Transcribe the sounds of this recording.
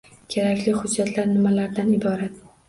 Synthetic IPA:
kʲʰeɾakʲlɪhʊd͡ʒːat̪ʰlaɾnɪmalaɾd̪anɪbɒɾat̪̚

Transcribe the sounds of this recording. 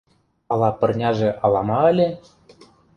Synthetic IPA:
ɑlˠɑpɤ̆rnʲɑʒĕʔɑlˠɑmɑɘ̆lʲĕ

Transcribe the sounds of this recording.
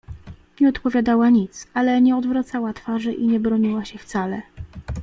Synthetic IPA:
ɲɛɔt̪pɔvʲjad̪awaɲit̪salɛɲɛɔd̪vɾat̪sawat̪faʐɘʔiɲɛbɾɔɲiwaɕɛft̪salɛ

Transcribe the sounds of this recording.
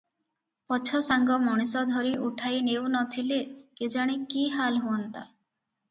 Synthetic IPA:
pɔt͡ʃʰɔsaŋɡɔmɔɽ̃isɔd̪ʱɔɾiʔuʈʰajnewnɔt̪ʰileked͡ʒaɽ̃ikiɦalɦuɔnt̪a̰

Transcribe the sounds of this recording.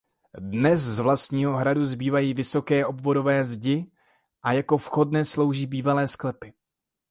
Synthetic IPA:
dnɛszvlast̪ɲiːɦo̞ɦɾaduzbiːvajiːvɪso̞kɛːʔo̞bvo̞do̞vɛːzɟɪ | ʔajako̞fxo̞dnɛːslo̞wʒiːbiːvalɛːsklɛpɪ

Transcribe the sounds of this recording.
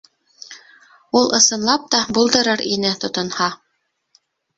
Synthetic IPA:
ulˠʔɤ̆sɤ̆nlˠɑp̚t̪ɑbulˠd̪ɤ̆ɾɤɾinɘt̪ŏt̪ŏnhɑ

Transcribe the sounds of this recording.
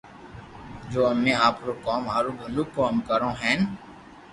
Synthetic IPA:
d͡ʒoːɐmːẽaːpɾokɔːmaːɾubʱʊlukkːɔːmkəɾõɦɛ̃ːn

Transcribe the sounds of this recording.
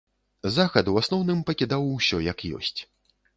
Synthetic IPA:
zaxɐd̪uwasnɔwnɨmpɐkʲid̪awsʲɔjɐkjɔ̰sʲt͡sʲ

